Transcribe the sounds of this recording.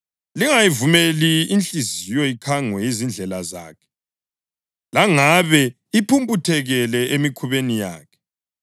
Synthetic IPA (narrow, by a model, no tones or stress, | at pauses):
liŋajivumeliint͡ɬizijɔikʰaŋwɛjizind͡ɮʱɛlaza̰ːkʰɛ̥ | laŋaβɛ | ipʰumpʼutʰɛɣɛlɛʔemikʰuβenija̰ːkʰɛ̥